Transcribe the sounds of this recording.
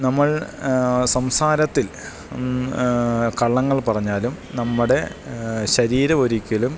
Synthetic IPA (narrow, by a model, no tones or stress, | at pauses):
nɐmːɐɭ | sɐmsaːɾɐt̪ːil | kɐɭːɐŋːɐɭpɐrɐɲːaːlum | nɐmːuɽe̞ɕɐɾiːɾɐo̞ɾikʲːɐlum